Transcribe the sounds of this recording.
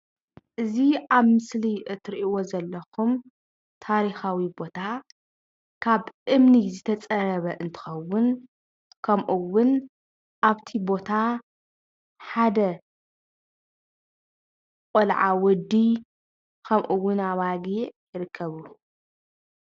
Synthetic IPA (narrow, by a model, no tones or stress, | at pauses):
ʔɨziaβmɨsliʔɨt̪ʰɨɾʔiwo̞zɐlːɐxum | t̪ʰaɾixawibo̞t̪ʰa | kʰaβʔɨmnizɨt̪ʰɐt͡sʼɐɾɐβɐʔɨnt̪ʰɨ̥xɐwʊn | kʰɐmʔuwʊn | ʔaβt̪ʰibo̞t̪ʰa | ħad̪ɐ | kʼolʕa̰wɔd̪ːi | kʰɐmʔuwːʊnaβaɡiʕjɪɾɨkʰːɐβu